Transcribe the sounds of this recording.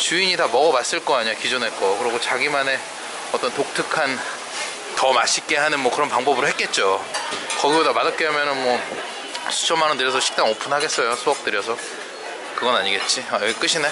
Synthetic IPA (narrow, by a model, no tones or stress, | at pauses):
t͡ɕuiɲitamʌɡʌmas͈ɯɭk͈ʌaɲiɲakid͡ʑunɦek͈okɯɾʌɡot͡ɕaɡimane̞ | ʌt͈ʌntok̚tʰɯkʰan | tʌmaɕʰik͈e̞ɦanɯnmwʌkɯɾʌnpaŋbʌbɯɾɯhek͈̚e̞t̚t͡ɕ͈okʌɡibodamadak͈eamjʌnɯnmwʌ | sʰu̥t͡ɕʰʌmːanʌntɯɾjʌsʰʌɕʰi̥k̚t͈aŋopʰunɦaɡe̞s͈ʌjosʰoʌk̚t͈ɯɾjʌsʰʌ | kɯɡʌnaɲiɡe̞t̚t͡ɕ͈iajɡik͈ɯɕʰine